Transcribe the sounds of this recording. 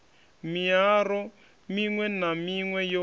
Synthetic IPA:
miaɾɔ | miŋwɛnamiŋwɛjo

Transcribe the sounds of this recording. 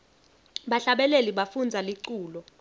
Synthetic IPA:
ɓaɬaɓɛleliɓafund͡zʱaliǀuːlɔ

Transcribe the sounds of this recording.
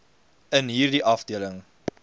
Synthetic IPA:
ənɦiːrdiʔɐfdiələŋ

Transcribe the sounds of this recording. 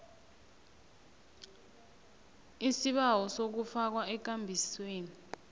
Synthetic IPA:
isiɓawɔsok̬ufak̬waɛk̬ambʱisweːni

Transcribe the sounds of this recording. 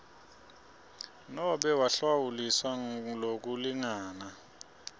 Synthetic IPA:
nɔɓɛwaɬwawuliswalok̬uliŋaːna

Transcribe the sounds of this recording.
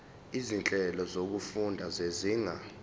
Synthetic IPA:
izint͡ɬʼɛlɔzok̬ufundʱazeziːŋa

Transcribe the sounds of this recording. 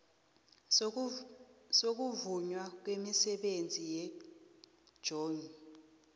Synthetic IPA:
sok̬uvuɲwak̬wemisɛɓend͡zʱijɛ̥ | ʒ̥ʱoːni

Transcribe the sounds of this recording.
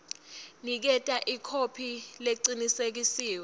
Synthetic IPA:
nik̬ɛtʼaʔikʰopʰileǀinisek̬isiːwɛ

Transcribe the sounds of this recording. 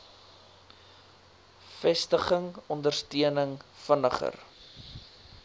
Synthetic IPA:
fɛstəχəŋɔndərstiənəŋfənəχə̰r

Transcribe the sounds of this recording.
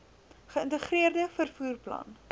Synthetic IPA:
χəəntəχriərdəfərfuːrplɐ̰n

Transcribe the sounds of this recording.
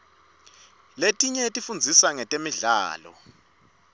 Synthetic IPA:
letʼiɲɛetʼifund͡zʱisaŋɛtʼemiɮa̰ːlɔ̰

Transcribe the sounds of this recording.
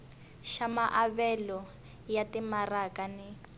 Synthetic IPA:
ʃamaʔaβɛlɔ | jatimarakanɪ

